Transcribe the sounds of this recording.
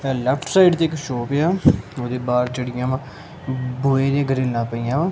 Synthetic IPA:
lɛːpʰʈsaːɪɖt̪eːɪkʃoːpeaːoːd̪eːbaːɾt͡ʃəɽɪjãːʋãː | boːeːd̪eːɡəɾeːlnãːpəijãːʋãː

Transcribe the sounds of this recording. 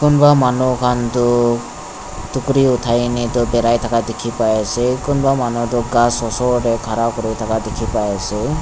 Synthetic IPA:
kʊnbamanukʰant̪ɔ | t̪ukɾiut̪ʰajnit̪ɔbɛɾajt̪ʰakad̪ekʰipajasekʊnbamanut̪ɔɡasɔsɔɾɛkʰaɾakɔɾijt̪ʰakad̪ekʰipajasɛ

